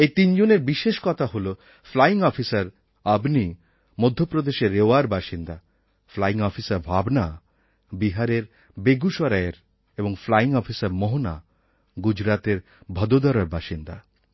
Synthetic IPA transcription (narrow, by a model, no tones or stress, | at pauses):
et̪ind͡ʑoneɾbiʃeʃkɔt̪ʰaɦolo | flaiŋɔfisaɾ | abni | mod̪ʱːjopɾod̪eʃeɾːeoaɾbaʃind̪a | flaiŋɔfisaɾbʱabna | biɦaɾeɾ | beɡuʃɔɾaeɾ | eboŋflaiŋɔfʰisaɾmoɦona̰ | ɡud͡ʑɾat̪eɾ | bʱɔd̪od̪ɔɾaɾbaʃind̪a